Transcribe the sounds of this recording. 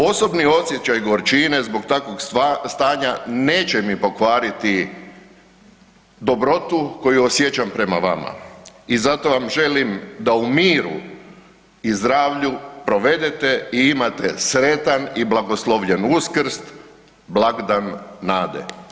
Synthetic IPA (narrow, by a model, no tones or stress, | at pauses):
o̞so̞bnio̞sje̞t͡ɕajɡo̞ɾt͡ʃine̞zbo̞kt̪akʋoɡst̪aːɲane̞ːt͡ɕe̞mipo̞kʋaːɾit̪i | d̪o̞bɾo̞t̪uko̞juosje̞t͡ɕampɾe̞maʋa̰ma̰izat̪o̞ʋamʒe̞limd̪aumiːɾṵ | izd̪ɾaːʋʎupɾo̞ʋe̞d̪et̪eiimat̪esɾe̞t̪aniblˠaɡo̞slˠoʋʎenuskr̩st̪ | blaɡd̪anːaːd̪ḛ